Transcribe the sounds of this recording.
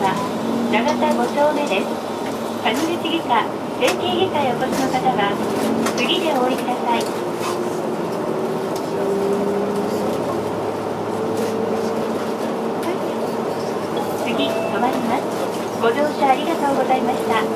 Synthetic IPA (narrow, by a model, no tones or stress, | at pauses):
a | naɡat̪aɡo̞t͡ɕo̞ːme̞d̪e̞sɨ̥ | kaɲiɾɯsɨɡʲika | sẽ̞ŋkeːɡʲikaio̞t̪o̞ɕino̞kat̪aɡa | sɨɡʲid̪e̞oːɾikɯ̟d̪asai | t͡sɨɡʲi | t̪omaɾʲimasɨ̥ | ɡ̥o̞doːɕaaːɾʲiɡat̪o̞ːɡo̞zaimaɕi̥t̪a